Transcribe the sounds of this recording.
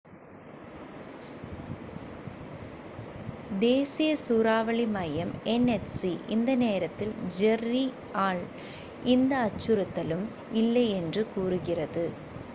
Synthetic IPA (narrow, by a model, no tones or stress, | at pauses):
d̪eːsɪjɐsuːɾaːʋɐɭɪmɐjɐmɛnɛt͡ʃsiʔɪnd̪ɐneːɾɐt̪ːɪld͡ʒɛrːi | aːɭ | ʔɪnd̪ɐːt͡ʃːɯɾɐt̪ːɐlɯm | ɪlːɐɪɛndrɯkuːrɯɣɪrɐðɯ